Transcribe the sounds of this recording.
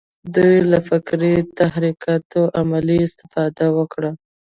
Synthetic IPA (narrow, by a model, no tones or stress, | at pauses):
d̪ujlafɪkɾit̪ahɾikɑt̪oʔamaliɪst̪ɪ̥fɑd̪awəkɽa